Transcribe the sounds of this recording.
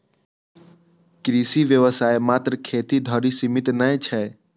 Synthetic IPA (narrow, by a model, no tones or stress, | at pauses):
kɾisiʋjəʋəsaːemaːt̪ɾəkʰeːt̪id̪ʱɔɾisimɪt̪nə̃t͡ʃʰɛ